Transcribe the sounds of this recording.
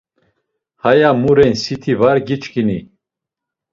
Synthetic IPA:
hajamuɾɛnsit̪ʰivaɾɡit͡ʃkini

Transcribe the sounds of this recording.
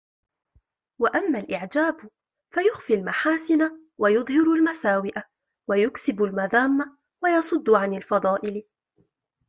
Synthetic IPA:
waʔamːaːlʔɪʕd͡ʒaːb | fajʊxfilmaħaːsɪna | wajʊðˤhɪɾʊlmasaːwɪʔa | wajʊksɪbʊlmaðaːmːa | wajɑsˤʊd̪ˤːʕanalfɑd̪ˤɑːʔɪl

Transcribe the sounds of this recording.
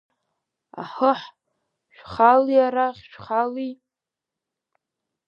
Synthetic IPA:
a̰ħəħ | ʃʷᶣχaliaɾaχʲʃᶣχali

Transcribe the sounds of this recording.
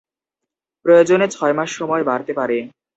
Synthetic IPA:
pɾojod͡ʑonet͡ɕʰɔemaʃːɔmɔebaɾt̪epaɾe

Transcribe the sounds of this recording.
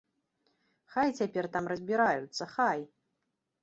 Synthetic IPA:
xajt͡sʲapʲɛrt̪amrɐzʲbʲiɾajut̪sːɐxaj

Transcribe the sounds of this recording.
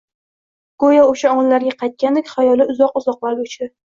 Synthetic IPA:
ɡ̥ojaoʃaɒŋɨlːaɾɡʲaqʰɑjt̪̚kʲand̪ekʲχajɒlɪʊzɒqʊzɒqlˠaɾɡʲʊt͡ʃʰd̪ɪ

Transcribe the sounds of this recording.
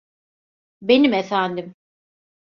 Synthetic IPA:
be̞nimefænd̪im

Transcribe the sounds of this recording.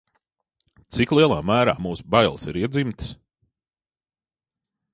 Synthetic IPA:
t̪siklˠiɛlˠaːmæːɾa̰ːmuːsbajlˠsiɾiɛd̪zimt̪ɨ̥s

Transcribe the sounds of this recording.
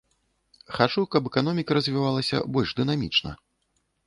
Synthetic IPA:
xat͡ʂukɐpɛkanɔmʲikɐɾɐzʲvʲivalˠɐsʲɐ̰bɔlʲʐd̪ɨnamʲit͡ʂnɐ̰

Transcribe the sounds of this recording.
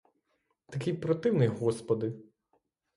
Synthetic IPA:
t̪ɐkʲɪjpɾɔt̪ɪwnɪjɦɔspɔd̪ɪ

